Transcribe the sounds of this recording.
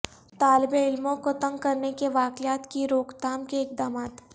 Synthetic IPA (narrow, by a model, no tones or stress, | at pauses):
t̪aːlɪbẽɪlmõkot̪ɐ̃ŋɡ̚kːɐɾnekeʋaːkɪjaːt̪kiɾoːkd̪aːmkeɪk̚d̪aːmaːt̪